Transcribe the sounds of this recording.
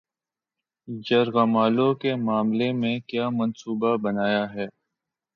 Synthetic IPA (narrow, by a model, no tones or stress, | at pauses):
d͡ʒɐɾɣɐmaːlõkemaːmlemẽkjaːmɐnsuːbabɐnaːjaɦɛː